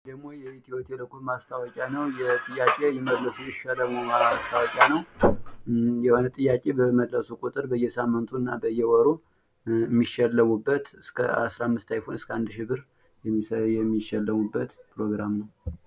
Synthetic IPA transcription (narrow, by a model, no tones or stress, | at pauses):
d̪əɡmo̞jɛet̪ʰiwɔt̪ʰeləkʰomast̪ʰawɔkʼjanəwjɛt̪ʼɨjːakʼe̞jɪmədləsujɪʃələmumast̪ʰawɔkʼjanəw | jɛho̞nət̪ʼɨjːakʼe̞bəməd̪ləsukʼut̪ʼɨɾbəjːɛsamːɨnt̪ʰuɨnːabəjːɛwɔɾo | mːiʃɛlːəmubːət̪ɨskʰə̰a̰sɾamːɨst̪ʰajfonɨskʰəand̪ʃɪβɨɾ | jɛmjɛmːiʃɛlːəmubːət̪pʰɾo̞ɡɾamnəw